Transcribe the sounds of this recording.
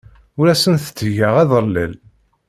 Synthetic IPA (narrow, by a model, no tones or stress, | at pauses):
ʊɾæsənθə̥t͡sːʝəʁæðəɾlə̰l